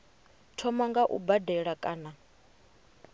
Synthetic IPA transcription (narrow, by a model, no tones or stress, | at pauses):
tʰɔmaŋɡaʔṵbadɛɺakʼaːna